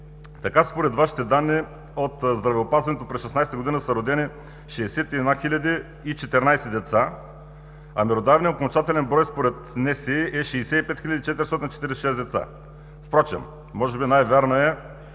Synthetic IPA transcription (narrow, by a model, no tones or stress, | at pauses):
t̪ɐkaspoɾɛt̪vaʃi̥t̪ɛd̪anːi | ot̪zd̪ɾɐvɛopazvɐnɛt̪opɾɛsʃɛsnajsɛt̪ɡod̪inəsɐɾod̪ɛni | ʃɛːsɛt̪iɛd̪naxilʲɐd̪iː | t͡ʃɛt̪ɛɾnajsɛd̪ɛt̪sa | ɐ̰mɛɾod̪avniokont͡ʃat̪ɛlʲɛnbɾɔjspoɾɛt̪nɛsɛʔɛʃɛːsɛipɛt̪xilʲɐd̪it͡ʃɛt̪iɾist̪ɔt̪int͡ʃɛ̥t̪iɾisɛʃɛszd̪ɛt̪sa̰ | fpɾɔt͡ʃɛ̰mː | ɔʒɛbinajvʲaɾnoɛ